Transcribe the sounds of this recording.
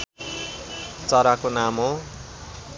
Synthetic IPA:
t͡sʌɾakonamo

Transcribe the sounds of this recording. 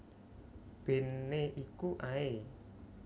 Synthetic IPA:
b̥e̤nːeʔikuʔae

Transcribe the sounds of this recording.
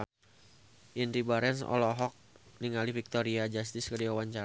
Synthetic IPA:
ʔinɾibaɾɛnsɔ̰lɔɦɔk̚niŋalifik̚t̪oɾiad͡ʒast̪ɪskədiwawaɲt͡ʃa

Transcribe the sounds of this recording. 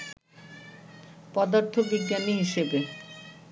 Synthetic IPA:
pɔd̪aɾt̪ʰobid̪ːaniɦiʃebe

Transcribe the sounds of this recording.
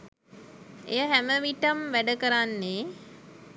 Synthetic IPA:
ḛjəɦæməʋiʈəmʋæɖəkəɾanːe

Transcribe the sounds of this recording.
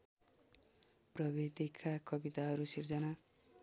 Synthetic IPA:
prʌbid̪ikʰakʌbit̪aɦʌɾusird͡zʌna

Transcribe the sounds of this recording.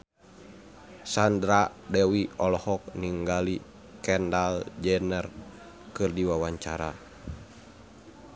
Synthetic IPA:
sandɾadɛwiɔlɔhɔk̚niŋɡali | kɛndald͡ʒɛnɛr | kɨrdiwawaɲt͡ʃaɾa̰

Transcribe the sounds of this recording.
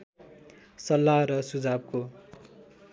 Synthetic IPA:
sʌlːaɾʌsud͡zab̚ko

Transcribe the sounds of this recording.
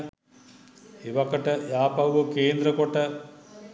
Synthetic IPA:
eʋakəʈəjaːpɐwuʋɐkeːnd̪ɾəkoʈə

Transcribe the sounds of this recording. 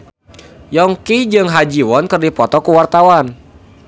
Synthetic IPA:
jɔŋkid͡ʒɨŋɦad͡ʒiwɔnkərdipɔt̪ɔkuwart̪awan

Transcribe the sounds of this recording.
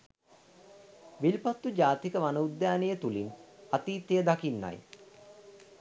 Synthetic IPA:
ʋilpat̪ːud͡ʒaːt̪ikəʋanəud̪ːjaːnejət̪ulinat̪iːt̪ejəd̪akinːa̰j

